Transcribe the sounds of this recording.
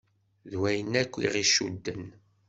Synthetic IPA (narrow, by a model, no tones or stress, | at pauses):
ðwæjənːækʷːḭʁiʃud̪ːən